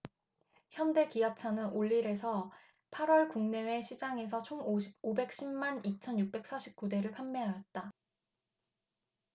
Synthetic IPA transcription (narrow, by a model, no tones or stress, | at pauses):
çjʌnde̞kijʌt͡ɕʰanɯnoʎːiɾe̞sʰʌ | pʰaɾwʌɭkuŋne̞we̞ɕʰid͡ʑaŋe̞s̬ʰʌt͡ɕʰoŋoɕʰibobe̞k̚ɕ͈ʰimːanit͡ɕʰʌnjuk̚p͈e̞k̚s͈aɕʰi̥p̚k͈ude̞ɾɯɭpʰammeɦajʌt̚t͈a